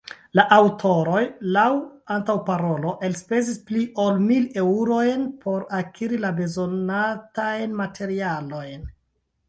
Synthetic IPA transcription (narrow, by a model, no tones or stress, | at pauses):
laʔawtʰo̞ɾo̞jlawantawpaɾo̞lo̞ʔe̞lspe̞zispliʔo̞lmile̞uɾo̞jnpʰo̞ɾakʰiɾilabe̞zo̞natajnmatʰe̞ɾialo̞jn